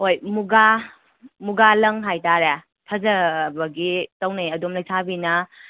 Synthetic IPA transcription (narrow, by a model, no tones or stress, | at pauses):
hojmuɡa | muɡalɐŋɦajtaɾe | tʰɐzɐbɐɡitɐwniɐdomlɐjsʰabinɐ